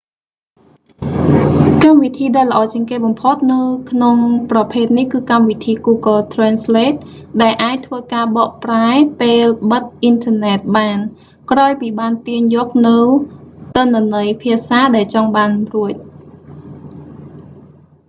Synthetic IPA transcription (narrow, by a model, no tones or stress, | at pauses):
kamʋit̪ʰiːɗaɛlːə̆ʔɑːt͡ɕiəŋkeːɓɑmpʰot̪̚nɨwkʰnoŋprɑpʰeːt̪̚nihkɨːkamʋit̪ʰiːɡuːɡəlt̪ʰrɛːnsleːt̪̚ɗaɛlʔaːc̚t̪ʰʋəːkaːɓɑːʔpraɛpeːlɓət̪̚ʔint̪ʰənɛːt̪̚ɓaːn | kraːjpiːɓaːnt̪iəɲjɔːk̚nɨwt̪ɨnːə̆nəjpʰiəsaːɗaɛlt͡ɕɑŋɓaːnruəc̚